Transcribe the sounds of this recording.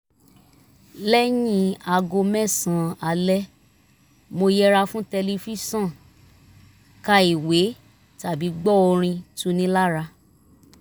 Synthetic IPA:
lɛ˦jĩ˦˧a˧ɡo˧mɛ̃˦˨sã˨a˨˧lɛ˦ | mo˧jɛ˦ɾa˧fũ˦tɛ˧li˧fi˦sã˦˨ | ka˧i˨we˨˦ | ta˨bi˨˦ɡ͡bɔ˦o˧ɾ̃ĩ˧tu˦nĩ˦la˦ɾa˧

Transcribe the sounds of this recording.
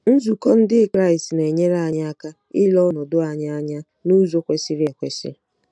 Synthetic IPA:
n̩˦zu˨kɔ˦n̩˦dɪ˦kɾa˦˨ɪi˨stne˨ɲe˦ɾa˦˨ɲa˦a˦ka˦ | ɪ˦lɔ˦nɔ˨dʊ˦a˨ɲa˦a˦ɲa˦ | nu˦zo˦kʷe˦si˦ɾje˨kʷe˨sɪ̰˦

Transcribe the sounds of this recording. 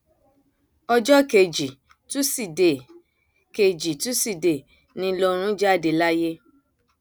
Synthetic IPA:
ɔ˧d͡ʒɔ˦ke˧˨d͡ʒi˨ | tũ˦si˨de˨ | ke˧d͡ʒi˨tũ˦si˦˨de˨ | nĩ˧˦lo˧ɾ̃ũ˦d͡ʒa˦˨de˧˨la˦je˦

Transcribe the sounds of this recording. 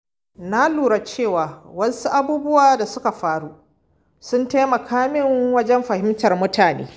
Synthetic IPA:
na˦luː˨ɾa˨t͡ʃeː˦˨waː˨wɐ˦su˦ʔa˦buː˦bʊ˦waː˨da˨sʊ˦ka˨ɸaː˦ɽu˦ | sʊ˦nta˦jmɐ˨kʰaː˦mɪ˦ŋwɐ˦d͡ʒɛ˦mɸɐ˨hɪ˦mtɐ˨rmʊ˦tʰaː˨nḛː˦

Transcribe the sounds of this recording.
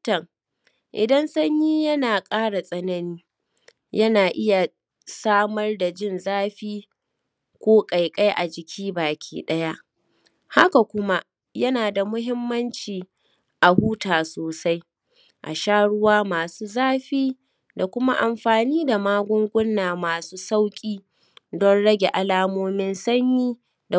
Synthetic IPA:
tɐ˨ŋ | ʔɪ˨dɐ˦nsɐ˦ɲjiː˦jɐ˦naː˨kʼaː˦ɽa˨sʼɐ˦nɐ˦niː˦ | jɐ˦naː˨ʔɪ˦ja˨ | saː˦mɐ˦rda˨d͡ʒɪ˦˨nzaː˦ɸiː˦ | kʷoː˦kʼa˨jkʼa˦jʔa˨d͡ʒɪ˨kʲʰiː˦baː˨kʲʰiː˦ɗɐ˦ja˦ʔ | ha˦ka˨kʷʊ˦ma˦ʔ | jɐ˦naː˨da˨mʊ˦ɦɪ˦mːɐ˦nt͡ʃiː˨ | ʔa˨huː˦taː˨soː˨sa˦j | ʔa̰˨ʃaː˦ɽʊ˦waː˦maː˨suː˦zaː˦ɸiː˦ | da˨kʷʊ˦ma˦ʔa˨mɸaː˨niː˦da˨maː˦ɡʷʊ˦ŋɡʷʊ˦nːaː˨maː˨suː˦sa˦wkʲʼiː˦ | dɔ˦nɽɐ˦ɡʲe˨ʔa˨laː˦moː˦mɪ˦nsɐ˦ɲjiː˦ | da˨

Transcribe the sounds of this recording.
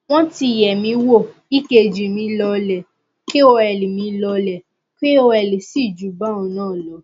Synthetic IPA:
w̃ɔ̃˦ti˧˨jɛ˨mĩ˧wo˦˨i˦ke˧˨d͡ʒi˨mĩ˧˦lɔ˧lɛ˨ | ke˦o˧ɛ˨li˨mĩ˧˦˧lɔ˧lɛ˨ | ke˦o˧ɛ˨li˨si˦˨d͡ʒu˨˦ba˦ɔ̃˨˧˦nãː˦˨lɔ˨˦

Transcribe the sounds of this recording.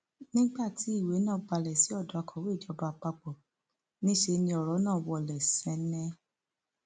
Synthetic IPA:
nĩ˦ɡ͡ba˦˨ti˨˦i˦˨we˨˦nãː˦ba˧lɛ˨si˨˦ɔ˦˨da˧kʰɔ˨˦we˦˨d͡ʒɔ˨˧˦ba˧k͡pa˧k͡pɔ˨ | nĩ˦ʃe˧nĩ˧ɔ˨ɾɔ˨˦nãː˦˨wɔ˧˨lɛ˨sɛ̃˨˧nɛ̃˧˦

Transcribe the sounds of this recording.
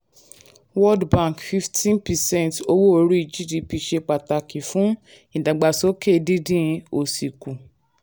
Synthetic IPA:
wɔ˦dbã˦˨kfi˧ftʰĩ˦npɛ˨sɛ̃˦˨nto˧˦wo˦o˧˦ɾu˦i˧d͡ʒi˦di˧pi˧ʃe˧k͡pa˨ta˨ki˨fũ˨˦ | ĩ˨da˨ɡ͡ba˨so˦ke˦˨di˦dĩ˦˧o˨si˨ku˨

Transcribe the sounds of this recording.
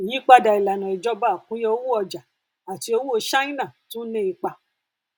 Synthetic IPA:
i˨jĩ˨˦k͡pa˦˨da˨˧i˨la˨nã˨i˨d͡ʒɔ˨˦ba˦˨kũ˦je˧o˦wu˦ɔ˧d͡ʒa˨ | a˨ti˨˧o˧˦wũ˦o˧ʃa˦ĩ˦nã˦˨tũ˦nẽ˦i˧k͡pa˧

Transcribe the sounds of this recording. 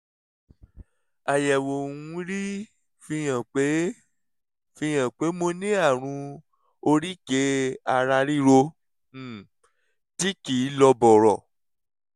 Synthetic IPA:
a˨jɛ˨wo˨ũ˨˦ɾi˦ | fi˧jã˨k͡pe˨˦ | fĩ˧j̃ã˨k͡pe˨˦mo˧nĩ˦a˦˨ɾ̃ũ˧ | o˧ɾi˦ke˨˦a˧˨ɾa˧ɾi˦ɾo˧˦˨ | ti˦kiː˨˦lɔ˧bɔ˨ɾɔ˨

